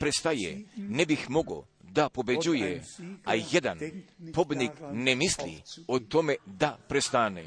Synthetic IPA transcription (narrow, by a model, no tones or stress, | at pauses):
pɾest̪ajḛnebixmo̞ɡo̰ | d̪apo̞bed͡ʑujea̰jed̪anpo̞bd̪niknemislḭot̪omed̪apɾest̪anḛ